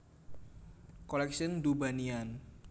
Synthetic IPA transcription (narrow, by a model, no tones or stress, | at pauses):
kolɛksɪnd̪ubanian